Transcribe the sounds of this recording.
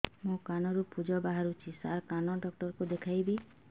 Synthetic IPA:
mũkanɔɾupud͡ʒɔbaɦaɾut͡ʃʰisaɾkanɔɖɔk̚ʈɔɾkud̪ekʰajbi

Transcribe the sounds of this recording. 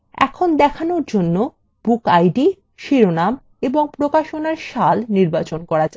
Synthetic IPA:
ɛ̰kʰond̪ɛkʰanoɾd͡ʑonːo | b̥ukajɖi | ʃiɾonam | eboŋpɾokaʃonaɾʃalniɾbat͡ɕonkɔɾad͡ʑa

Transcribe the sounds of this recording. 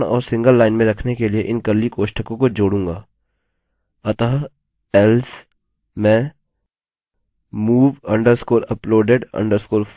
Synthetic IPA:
ɽɔ̰ːɾsɪ̃ŋɡəlːaːɪnmẽɾɐkʰnekelieʔɪnkɐɾlikoːʃʈəkõkod͡ʒoːɽũːŋɡaː | ɐt̪aːɦ | ɛls | mɛ̃ː | muːʋɐ̃ɳɖəɾskoːɾɐploːɖeɖɐ̰̃ɳɖəɾskoːɾf

